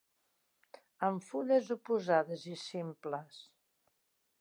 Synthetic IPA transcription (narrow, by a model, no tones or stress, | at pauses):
əɱfuʎəzupuzaðəzisimpləs